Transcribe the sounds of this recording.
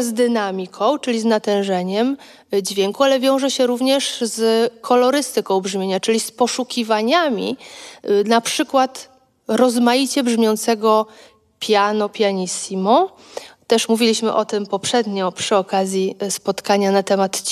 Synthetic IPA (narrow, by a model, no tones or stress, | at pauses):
zd̪ɘnamʲikʰɔ̃w̃t͡ʂɘlʲiznat̪ɛ̃w̃ʐɛɲɛm | d͡ʑvʲjɛŋkualɛvʲjɔ̃w̃ʐɛɕɛɾuvɲɛʂzkʰɔlɔɾɘst̪ɘkɔ̃w̃bʐmʲjeɲat͡ʂɘlʲispɔʂukʲivaɲamʲḭ | napʂɘkwat̪ | ɾɔzmajit͡ɕɛbʐmʲjɔnt̪sɛɡɔ | pʲjanɔpʲjaɲisimɔ | t̪ɛʂmuvʲilʲiɕmɘʔɔt̪ɘmpɔpʂɛd̪ɲɔpʂɘɔkazʲjispɔt̪kaɲanat̪ɛmat̪t͡ɕ